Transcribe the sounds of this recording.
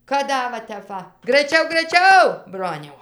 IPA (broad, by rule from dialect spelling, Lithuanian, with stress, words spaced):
kɐt ˈdɐ ʋɐ ˈtʲɛp ʋɐ ɡrɐɪˈt͡ʃʲɛʊ ɡrɐɪˈt͡ʃʲɛʊ ˈbroːnʲɛʊ